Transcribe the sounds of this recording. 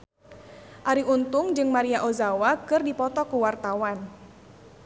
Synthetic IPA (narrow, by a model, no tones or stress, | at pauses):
ʔaɾiunt̪ʊŋd͡ʒɨŋmaɾiaʔozawakɨrdipɔt̪ɔkuwart̪awan